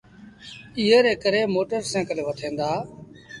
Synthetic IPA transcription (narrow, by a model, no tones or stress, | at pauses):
ɪːeːɾeːkəɾeːmoːʈəɾsẽːkəleːʋət̪ʰẽːnd̪aː